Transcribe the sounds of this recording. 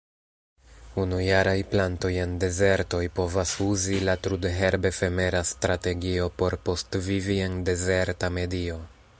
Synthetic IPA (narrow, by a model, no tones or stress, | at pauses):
unujaɾajplanto̞je̞nde̞ze̞ɾto̞jpo̞vasuzilatɾudɦe̞ɾbe̞fe̞me̞ɾastɾate̞ɡio̞po̞ɾpo̞stvivie̞nde̞ze̞ɾtame̞dio̞